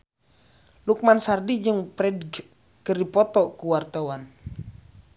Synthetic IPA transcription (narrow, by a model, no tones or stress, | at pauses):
luk̚mansardid͡ʒəŋpɾɛd | kərdipɔt̪ɔkuwart̪awan